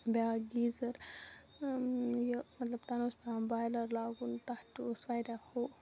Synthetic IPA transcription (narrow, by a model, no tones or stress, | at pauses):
baɡiːzɐɾ | jəmɐt̪ləbt̪anospaabaːjlɐɾlaːɡunt̪at̪usʋajɾaho